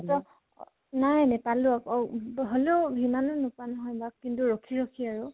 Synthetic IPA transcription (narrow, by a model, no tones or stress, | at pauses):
tɔ | najnapalʊakɔɦoleʊbʱimanɔnɔpanɔɦɔjbakkintuɹɔkʰiɹɔkʰiaɹu